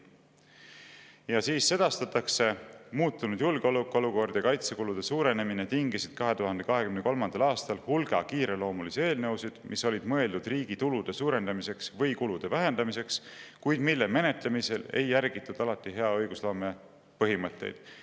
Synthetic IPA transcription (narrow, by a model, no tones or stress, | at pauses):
jɑsiːsːe̞d̪̥ɑst̪ɑt̪ːˑɑkse̞muːt̪ˑːunud̪̥julɡ̥eo̞lukːˑo̞luko̞rd̪̥jɑkɑjt̪se̞kulud̪̥e̞suːɾe̞ne̞mine̞t̪iŋɡisid̪̥̚kɑɦet̪uɦɑnd̪e̞kɑɦe̞kymne̞ko̞lmɑnd̪ɑlɑːst̪ɑlhulɡ̥ɑkiːɾe̞lo̞ːmulise̞ːlnɤwsid̪̥mʔisːo̞lʲid̪̥mɤe̞ld̪ud̪riːɡ̥it̪ulud̪̥e̞suːɾe̞nd̪ɑmise̞ksvɤjkulud̪̥e̞væɦe̞nd̪̥ɑmise̞kskujd̪̥milːe̞me̞ne̞t̪le̞mise̞le̞̰jːæɾɡ̥it̪ːˑud̪̥ɑlɑt̪ːˑiɦe̞ɑɤ̞jɡ̥uslo̞ːme̞ | pɤɦimɤt̪ːe̞̰jd̪̥